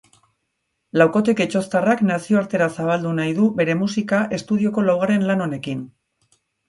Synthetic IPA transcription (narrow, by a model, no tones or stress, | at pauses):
lawko̞t̪eket͡ʃo̞st̪araknasio̞aɾt̪e̞ɾasaβ̞ald̪unajðuβe̞ɾe̞musikaʔe̞st̪uð̞io̞ko̞lawɣ̞aɾe̞nlano̞ne̞kin